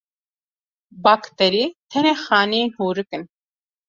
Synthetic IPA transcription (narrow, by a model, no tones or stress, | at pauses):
baːkt̪ɛɾiːt̪ʰɛneːxaːninhuːɾɨkɨn